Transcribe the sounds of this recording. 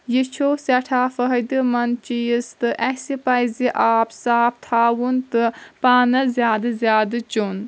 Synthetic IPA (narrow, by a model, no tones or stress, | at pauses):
jit͡ʃʰoːsɐʈʰaːfəɦɐd̪ɨmɐnt͡ʃijist̪ɨʔɛsipɐjziʔaːpsaːp̚t̪ʰaːwunt̪ɨpaːnɐzʲjaːd̪ɨzjaːd̪ɨt͡ʃon